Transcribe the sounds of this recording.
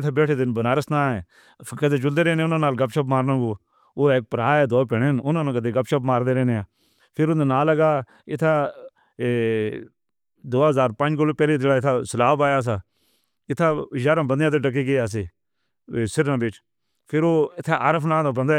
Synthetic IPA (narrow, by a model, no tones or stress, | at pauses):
t̪ʰeːbeːʈʰeːd̪ɪnbənaːɾəsnãːɛː | kəd̪eːd͡ʒʊld̪eːɾɛːnẽːʊnãːnaːlɡəpʃəpmaːɾnãːɡoː | oːeːk̚pəɾaːɛːd̪oːpeɽeːnʊnãːnãːkəd̪eːɡəpʃəpmaːɾd̪eːɾɛːneaː | pʰɪɾʊnd̪aːnaːləɡaː | ɪt̪ʰːaː | d̪oːɦəzaːɾpə̃nd͡ʒkoloːpɛːleːd͡ʒeːɽaːɪt̪ʰaːsəlaːbaːjaːs̬aː | ɪt̪ʰːaːəd͡ʒaːɾãːbənd̪jãt̪̬eːʈək̬eːɡeaːs̬eː | sɪɾnãːbɪt͡ʃ | pʰɪɾoːɪt̪ʰːaːʔaːɾəpʰnaːd̪ãːbə̃nd̪aː